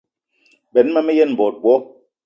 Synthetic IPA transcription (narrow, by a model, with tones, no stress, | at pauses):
bɛ˨˦n˦ma˦mɛ˦jɛ˦n˨bɔ˨t̚bwɔ˨˦